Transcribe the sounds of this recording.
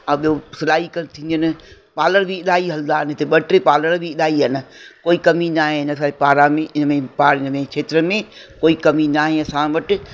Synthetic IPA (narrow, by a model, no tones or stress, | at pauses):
ãɓijosɐlaːikɐnt̪ʰĩːnd̪ənɪ̆ | paːləɾbʱɪɪɗaːiɦɐld̪aːɦnɪɦɪt̪eɓɐʈɾepaːləɾbʱiɪɗaːiɦɐnɪ̆koːikɐminaːɦẽɪnəsapaːɾãmẽʔɪnmẽpaːɾɪnəmẽkʰeːt̪ɾəmẽkoːikɐminaːɦẽɐsãʋɐʈɪ̆